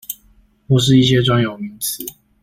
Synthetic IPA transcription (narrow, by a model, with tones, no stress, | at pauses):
pu˥˧ʂ̬ɻ̩˥˧i˥˩ɕ̬jɛ˦ʈ͡ʂwa˥˩njo˨˩ʊmi˨˦ŋt͡s̩ʰ˨˦